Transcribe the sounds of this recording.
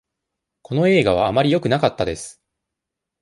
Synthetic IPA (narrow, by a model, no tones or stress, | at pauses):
ko̞no̞e̞ːɡaβ̞aːmaɾʲijo̞kɯ̟nakat̪ːad̪e̞sɨ̥